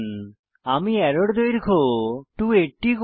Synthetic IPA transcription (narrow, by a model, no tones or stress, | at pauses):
n | amiɛɾoɽd̪ojɾkʰoʈueʈːik